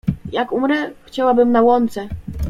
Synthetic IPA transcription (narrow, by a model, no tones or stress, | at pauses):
jakumɾɛxt͡ɕawabɘmnawɔnt̪sɛ